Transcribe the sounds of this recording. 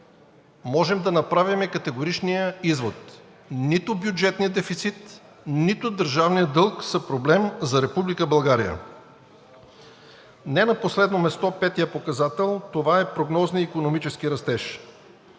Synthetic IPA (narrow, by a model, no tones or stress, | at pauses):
mɔʒɛmd̪ɐnɐpɾavimɛkɐt̪ɛɡoɾit͡ʃnijəizvot̪ | nit̪ʊbjud͡ʒɛt̪nijəd̪ɛfit̪sit̪ | nit̪ʊd̪əɾʒavnijəd̪ɤlˠksɐpɾoblɛmzɐɾɛpublikəbɐlˠɡaɾḭjə̰ | nɛnɐposlɛd̪nomɛst̪ɔpɛt̪ijəpokɐzat̪ɛlˠt̪ovaɛpɾoɡnɔzniikonomit͡ʃɛsk̟iɾɐst̪ɛʃ